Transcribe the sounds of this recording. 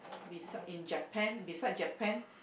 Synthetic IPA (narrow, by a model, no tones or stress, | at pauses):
bisaĩnd͡ʒəpʰɛ̃nbisad͡ʒəpɛ̃n